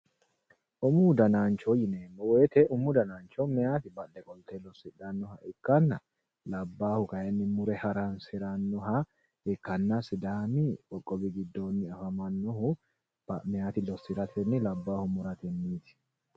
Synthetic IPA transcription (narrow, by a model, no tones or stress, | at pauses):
ʔʊmʊd̪ɐnaːnt͡ʃɔjɪneːnːɔwɛːt̪ɛʊmːʊd̪ɐnaːnt͡ʃːɔmɛaːt̪ɪbɐlːɛkʼɔlt̪ɛlɔsːɪᶑɐnːɔhɐʔɪkːɐnːɐ̰ | lɐbːaːhʊkɐjɛnːɪmʊɾɛhɐɾansɪɾɐnːɔɦɐ | ɪkːɐnːɐsɪd̪aːmɪkʼɔkʼːɔbɪɡɪd̪ːoːnːɪɐfɐmɐnːɔhʊ | mɛjaːt̪ɪlɔsːɪɾɐt̪ʰɛnːɪlɐbːaːhʊmʊɾɐt̪ɛnːiːt̪ɪ̥